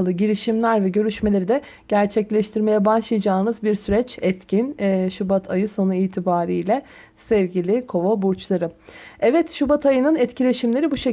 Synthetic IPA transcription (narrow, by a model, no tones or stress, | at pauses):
lˠɯɟiɾiʃimlʲæɾvɛɟø̞ɾyʃme̞lʲe̞ɾid̪ɛ | ɟ̥æɾt͡ʃʰɛclʲɛʃt̪ʰiɾme̞jɛbaʃlˠɯjad͡ʒaːɯnɯzbiɾsyɾɛt͡ʃɛt̪cʰinːʃubat̪ʰajɯso̞nuiːt̪ʰibaːɾijlʲɛ | sɛvɟilʲikʰo̞vobuɾt͡ʃlˠaɾɯɛvɛt̪ʃubat̪ʰajɯnɯnɛt̪cʰilʲe̞ʃimlʲe̞ɾibuʃe